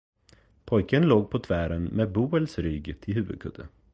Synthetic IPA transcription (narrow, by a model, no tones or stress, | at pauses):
pʰɔjkənloːɡ̚pʰɔt̪ʰvæːɾənmeːbuːəlsɾʏɡt̪ʰɪlɦʉːvə̰d̪̚kʰɵ̰d̪ə